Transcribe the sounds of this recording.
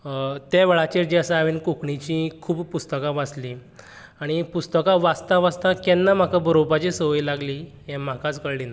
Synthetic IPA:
t̪aʋeɭat͡ɕiɾd͡ʑiəsaaʋinkukɳit͡ɕĩkʰuːbpust̪əkãʋasli | aɽ̃ipust̪əkãʋast̪ãʋast̪ãkɛnːam̤akabəɾopat͡ɕisəʋilaɡli | jɛ̃m̤akat͡skəɭlina

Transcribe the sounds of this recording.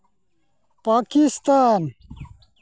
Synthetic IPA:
paːkist̪aːn

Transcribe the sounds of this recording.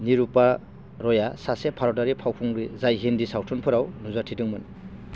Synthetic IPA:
niɾupa | ɾɔjasasepʰaɾɔdaɾipʰawkʰuŋɾizajɦindisawtʰɔnpʰɯɾawnuzatʰidɯŋmɯn

